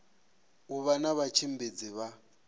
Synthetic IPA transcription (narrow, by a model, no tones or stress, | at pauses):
uβanaβat͡ʃʰimbed͡ziβa